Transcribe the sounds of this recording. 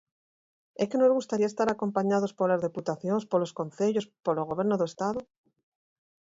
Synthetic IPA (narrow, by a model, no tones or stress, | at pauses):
eke̞no̞zɣust̪aɾiaest̪aɾako̞mpaɲaðo̞spo̞ɾlazðeput̪aθjo̞nspolo̞sko̞nθe̞ʎo̞spoɾloɣ̞o̞βje̞ɾnoðoest̪aðo